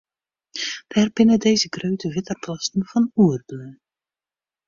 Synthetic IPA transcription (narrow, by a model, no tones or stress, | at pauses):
d̥ɛrbɪnədejzəɡrøɥtəʋɪtərplastn̩vɑnuərblø